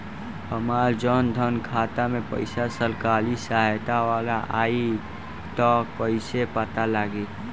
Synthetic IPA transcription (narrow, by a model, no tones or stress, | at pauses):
həmaːld͡ʒɔːnd̪ʱənkʰaːt̪amẽpə̰ɪsasəlkaːlisaːɦt̪awaːlaʔaːi | t̪ɔpəɪsepət̪alaːɡeː